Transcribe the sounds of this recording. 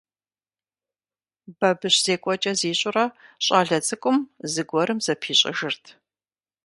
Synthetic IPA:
bɐbɨɕz̥eːkʷʼɔt͡ʃʼɐziːɕʼʊrɐɕʼaːɮɐt͡sʼɨkʷʼʊmzɨɡʷɔɾɨmzɐpʰiːɕʼɪ̰ʒɨrtʰ

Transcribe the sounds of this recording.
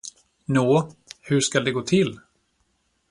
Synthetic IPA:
noːhɵʂkald̪ɛɡoːt̪ʰɪl

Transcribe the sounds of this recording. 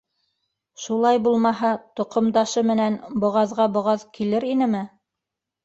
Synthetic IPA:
ʃulˠɑjbulˠmɑɦɑt̪ŏqŏmd̪ɑʃɤmɘ̆nænbŏʁɑðʁɑbŏʁɑðkilɘɾinɘmɘ

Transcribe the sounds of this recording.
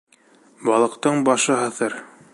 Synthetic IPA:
bɑlˠɤ̆qt̪ɤɴbɑʃɤɦɤ̆θɤɾ

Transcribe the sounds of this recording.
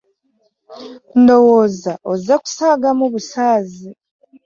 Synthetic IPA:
ndo̞woːzaʔozaku̥saːɡamuβusaːzi

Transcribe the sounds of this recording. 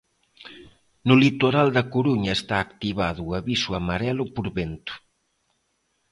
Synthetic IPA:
nʊlit̪oɾald̪ɐkuɾuɲɐest̪aːkt̪iβaðʊːaβisuamaɾɛlʊpuɾβent̪u̥

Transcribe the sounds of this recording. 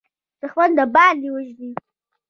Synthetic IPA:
səxwand̪əbɑliwəʒd̪i

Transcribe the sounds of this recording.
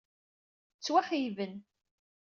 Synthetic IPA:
t͡sːwaħijvən

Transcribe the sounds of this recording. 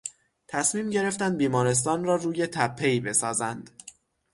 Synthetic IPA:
t̪ʰæsmiːmɟe̞ɾe̞ft̪ænd̪̚biːmɒːɾe̞s̬t̪ɒːnrɒːruːje̞t̪ʰæpʰːe̞jbe̞sɒːzænd̪̥

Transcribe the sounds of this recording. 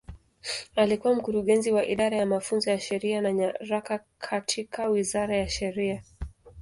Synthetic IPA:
alikuwam̩kuɾuɠɛnziwaʔiɗaɾajamafunzɔjaʃɛɾianaɲaɾakakʰatʰikʰawizaɾajaʃɛɾia

